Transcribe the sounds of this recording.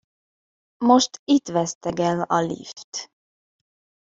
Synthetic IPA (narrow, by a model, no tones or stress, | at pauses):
moʃt̪it̪ʋɛst̪ɛɡɛlɒlḭft̪